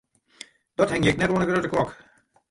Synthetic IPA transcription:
d̥ɔthɛŋjɪknɛtwɔndəɡrøtəklɔk

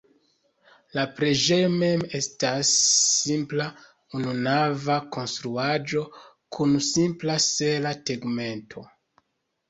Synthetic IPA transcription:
lapɾeʒejme̞me̞stasːimpla | ununavako̞nstɾuad͡ʒo̞ | kʰunsimplase̞lateɡme̞ntʰo̞̰

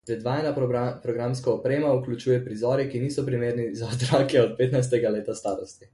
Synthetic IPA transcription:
ɛd̪ʋaːjɛnapɾɔɡɾamskaɔpɾeːmauklʲut͡ʃuːjɛpɾizɔːɾjɛkiniːsɔpɾimeːɾnizaɔt̪ɾakɛɔt̪̚peːt̪najs̬t̪ɛɡaleːt̪ast̪aːɾɔst̪i

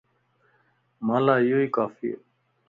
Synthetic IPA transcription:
maːlaːijoːiːkaːfiḛ

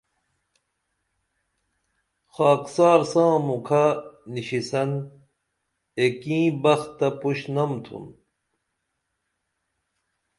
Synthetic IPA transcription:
xaːksaːɾsãːmukʰaniɕisɐn | ekĩːbɐxt̪ːɐpuɕnɐmt̪ʰṵn

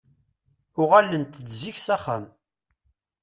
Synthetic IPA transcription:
ʊʁalːənt̪əd̪ziçsæχə̰m

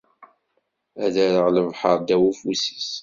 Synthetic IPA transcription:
æðæɾəʁləvħəɾˤd̪æwufusi̥s

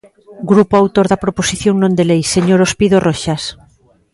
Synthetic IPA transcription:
ɡɾupoawt̪oɾðapɾoposiθjoŋnõnd̪elejseɲoɾospiðoroʃas

